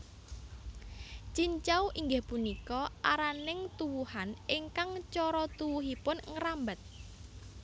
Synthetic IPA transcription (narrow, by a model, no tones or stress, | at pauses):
t͡ʃiɲt͡ʃawʔiŋɡɪhpunikɔʔaɾanɪŋt̪uwuhanɪŋkaŋt͡ʃɔɾɔt̪uwuɦipʊnŋəɾambət̪̚